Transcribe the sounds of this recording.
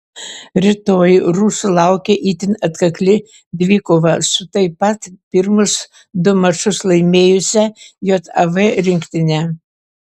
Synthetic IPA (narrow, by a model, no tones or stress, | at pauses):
ɾʲɪt̪oːjɾuːsʊlˠɑˑʊkʲɛʔiːt̪ʲɪnɐt̪kɐklʲɪ | d̪ʲʋʲiːkoʋɐsʊt̪ɐɪpɐt̪pʲɪɾmʊs | d̪ʊmɐʃʊslˠɐɪmʲeːjʊsʲɛjoːt̪ɐʋɛɾʲɪŋkt̪ʲɪnʲɛ